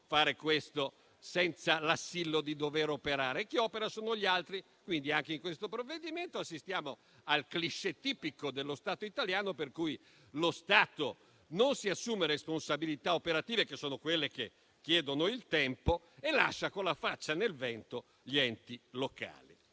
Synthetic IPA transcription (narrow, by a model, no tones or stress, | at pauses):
faːɾekwest̪o | sɛnt̪salasːilːod̪id̪oveɾopeɾaːɾekːiɔːpeɾasoːnoʎialt̪ɾi | kwind̪iaŋk̟eiŋkwest̪opɾovːed̪iment̪oasːist̪jaːmo | alkliʃːet̪iːpikod̪elːost̪aːt̪oit̪aljaːnoperkuj | lost̪aːt̪o | nonsiasːuːmeɾesponsabilit̪aopeɾat̪iːvekesːoːnokwelːek̟e | kːjɛːd̪onoilt̪ɛmpo | ela̰ʃːakonlafat͡ʃːanelvɛnt̪o | ʎiɛnt̪iloka̰ːli